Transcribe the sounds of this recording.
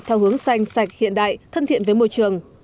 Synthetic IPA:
t̪ʰɛː˧wɦɨ˨˦əŋsa˧jŋ̟sa˨˩jk̟̚hḭ˧˨ənɗa̰ː˧˨jt̪ʰə˧nt̪ʰḭ˧˨ənvːjmo̰˧˨jt͡ɕɨ˨˩əŋ

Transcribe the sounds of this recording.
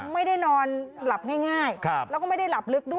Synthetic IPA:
ma˥˩jda˥˩jnɔː˧nla˨˩p̚ŋaː˥˩jŋaː˥˩jkʰa˧˩lɛ˦˥kɔ˥˩ma˥˩jda˥˩jla˨˩p̚lɯ˦˥k̚du˥˩

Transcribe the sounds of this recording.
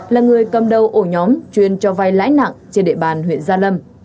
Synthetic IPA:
laː˨˩ŋɨ˨˩əjkə˨˩mɗə˨˩wʔo˧˩ɲɔ˨˦mt͡ɕwi˧˩ənt͡ɕɔ˧va˧jla̰ː˧˥jna̰˧˨ŋt͡ɕe˧nɗḛ˧˨ɓaː˨˩nɦwḭ˧˨nzaː˧lə˧m

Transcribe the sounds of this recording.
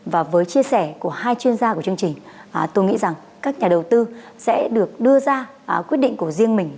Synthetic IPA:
vaː˨˩vəː˨˦jt͡ɕi˧əsɛ˧˩ku˧˩əhaː˧jt͡ɕwi˧ənzaː˧ku˧˩ət͡ɕɨ˧əŋt͡ɕï˨˩ŋ̟˩ | t̪o˧jŋḭ˧˥za˨˩ŋ | kaː˦˥k̚ɲaː˨˩ɗə˨˩wt̪ɨ˧ | sɛ̰˧˥ɗɨ˨˩ək̚ɗɨ˧əzaː˧˨ | kwi˦˥t̚ɗḭ˧˨ŋ̟ku˧˩əzi˧əŋmï˨˩ŋ̟

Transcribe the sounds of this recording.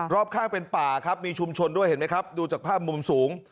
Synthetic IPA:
ɾɔː˥˩p̚kʰaː˥˩ŋpe˧npaː˨˩kʰa˦˥p̚miː˧t͡ɕʰu˧mt͡ɕʰo˧ndu˥˩əjhe˩˦nma˦˥jkʰa˦˥p̚duː˧t͡ɕaː˨˩k̚pʰaː˥˩p̚mu˧msuː˩˦ŋ

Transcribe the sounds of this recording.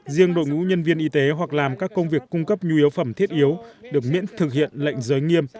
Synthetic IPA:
zi˧əŋɗo̰˧˨jŋṵ˧˥ɲə˧nvi˧ənʔi˧t̪e˨˦ɦwa˨˩k̚laː˨˩mkaː˦˥kːə˧wŋ͡mvi˨˩əkːʊ˧ŋ͡mkə˦˥p̚ɲu˧i˨˦əwfə˧˩mt̪ʰi˦˥ət̚ʔi˨˦əwɗɨ˨˩ək̚mḭ˧˥ənt̪ʰɨ˨˩k̚hḭ˧˨ənlə̰˧˨jŋ̟zəː˨˦jŋi˧əm

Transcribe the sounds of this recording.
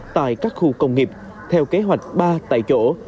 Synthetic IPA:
t̪a̰ː˧˨jkaː˦˥k̚xu˧kə˧wŋ͡mŋi˨˩p̚ | t̪ʰɛ˧wke˨˦ɦwa˨˩jk̟̚ɓaː˧t̪a̰ː˧˨jt͡ɕo̰˧˥

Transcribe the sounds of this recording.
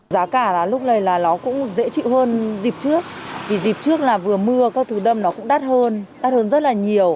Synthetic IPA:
zaː˨˦kaː˧˩laː˨˩lʊ˦˥k͡p̚lə˨˩jlaː˨˩nɔ˨˦kʊ̰˧˥ŋ͡mzḛ˧˥t͡ɕḭ˧˨whəː˧nzi˨˩p̚t͡ɕɨ˦˥ək̚vi˨˩zi˨˩p̚t͡ɕɨ˦˥ək̚laː˨˩vɨ˨˩əmɨ˧əkaː˦˥k̚t̪ʰɨ˨˧˩ɗə˧mnɔ˨˦kʊ̰˧˥ŋ͡mɗaː˦˥t̚həː˧nɗa˦˥t̚həː˧nzə˦˥t̚laː˨˩ɲi˨˩əw

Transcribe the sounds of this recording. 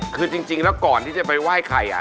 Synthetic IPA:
kʰɯː˧t͡ɕi˧ŋt͡ɕi˧ŋlɛ˦˥wkɔː˨˩nt̪i˥˩t͡ɕa˨˩pa˧jwaː˥˩jkʰa˧jʔa̰˨˩

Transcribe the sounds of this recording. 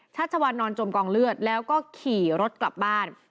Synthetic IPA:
t͡ɕʰaː˥˩t̪̚t͡ɕʰa˧wa˧nːɔː˧nt͡ɕo˧mkɔː˧ŋlɯ˥˩ət̪̚lɛː˦˥wkɔː˥˩kʰiː˨˩ɾo˦˥t̪̚kla˨˩p̚baː˥˩n

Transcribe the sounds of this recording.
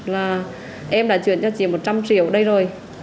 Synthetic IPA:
laː˨˩ | ʔɛ˧mɗa̰ː˧˥t͡ɕwḭ˧˨ənt͡ɕɔ˧t͡ɕḭ˧˨˩mo˨˩t̚t͡ɕa˧mt͡ɕḭ˧˨əwɗə˧jzo˨˩j

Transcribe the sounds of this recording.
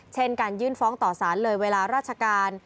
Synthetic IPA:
t͡ɕʰe˦˥˩nkaː˧njɯː˥˩nfɔː˦˥ŋt̪ɔː˨˩saː˩˦nlɤː˧jweː˧laː˧ɾaː˥˩t̪̚t͡ɕʰa˧kaː˧n

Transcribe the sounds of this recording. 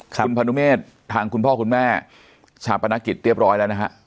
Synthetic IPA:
kʰu˧npʰa˧nu˦˥meː˥˩t̪ʰːaː˧ŋku˧npʰɔː˥˩kʰu˧nmɛː˥˩ | t͡ɕʰaː˧˩pa˧na˦˥ki˨˩t̪̚ɾi˥˩əp̚ɾɔː˦˥jlɛː˦˥wna˦˥kʰa̰˦˥ʔ

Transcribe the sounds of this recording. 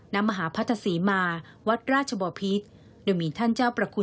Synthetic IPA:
na˦˥ma˧ɦaː˩˦pʰa˦˥t̪ʰːa˧siː˩˦maː˧ | wa˦˥t̪̚ɾaː˥˩t̪̚t͡ɕʰa˧bɔː˧˩pʰi˦˥t̪̚ | doː˧jmiː˧t̪ʰa˥˩nt͡ɕaː˥˩wpɾa˧kʰu˧

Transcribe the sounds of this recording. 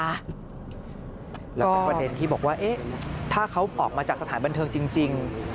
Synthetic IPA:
a˦˥ | lɛː˦˥kɔː˥˩˧pde˧nt̪ʰiː˥˩bɔː˨˩k̚waː˥˩ʔe˦˥t̪ʰaː˥˩kʰa˦˥wʔɔː˨˩k̚maː˧t͡ɕaː˨˩k̚sa˧aː˩˦nba˧nt̪ʰɤː˧ŋt͡ɕi˧ŋt͡ɕi˧ŋ

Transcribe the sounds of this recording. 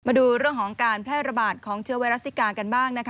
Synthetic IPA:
maː˧duː˧ɾɯ˥˩əŋkʰɔː˩˦ŋkaː˧npʰlɛː˥˩t̪̚ɾa˧baː˨˩t̪̚kʰɔː˩˦ŋt͡ɕʰɯ˧əwa˧jɾa˦˥st̪ːiː˦˥kaː˧ka˧nbaː˥˩ŋna˦˥kʰ

